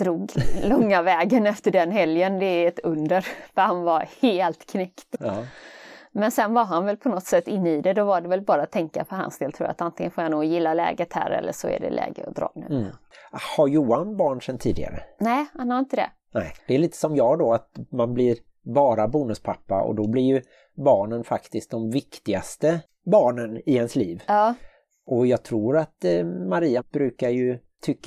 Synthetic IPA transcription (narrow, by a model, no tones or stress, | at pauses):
d̪̥ɾuːɡlɔŋːavɛːɡənɛft̪əɖɛnɦɛljənd̪ɛɛt̪ɵnd̪əɾfahanvaɾheːlt̪kʰnɛkt̪ɑː | mɛnsɛnvaɾɦanvɛlpʰɔnɔt̪sɛt̪ːɪnːəiːd̪ɛd̪ɔvaɖɛvɛlbɑːɾat̪ʰːɛŋka̰pʰɔɦa̰nsd̪eːlt̪ʰɾṵːɾa̰t̪ant̪ɪŋɡənfoːɾjanuːɡjɪlːalɛ̰ːɡət̪hæ̰ːɾɛ̰lːəʂɔæ̰ɖɛ̰lʔɛ̰ːɡə̰ɔ̰d̪ɾɑ̰ːnɛ | haɾjuːanbɑːɳʂɛnt̪ʰːiːd̪ɪ̰ɡa̰ɾə̰nɛhanhɑɾɪnt̪əd̪ɛ̰ | nɛɪd̪̥ɛɛɭiːt̪ə̥sɔmjɑːd̪ɔat̪manblɪɾ | bɑːɾabuːnɵspʰapːaɔ̰d̪ɔblɪɾjɵ | bɑːɳənfakt̪ɪsk̪̚d̪ɔmvɪkt̪ɪɡast̪ə | bɑːɳənɪhɛnsliːvɑː | ʔɔjɑːɡ̚t̪ʰɾuːɾat̪maɾiːab̥ɾʉ̟ːkaɾjɵ | t̪ʰʏkː